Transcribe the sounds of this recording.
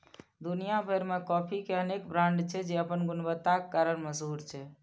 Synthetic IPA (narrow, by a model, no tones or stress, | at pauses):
d̪unijabʱəɾmekɔpʰikeənekbɾãɳɖt͡ʃʰɛd͡ʒeəpənɡunbət̪ːakekːaɾənməsɦuɾt͡ʃʰɛ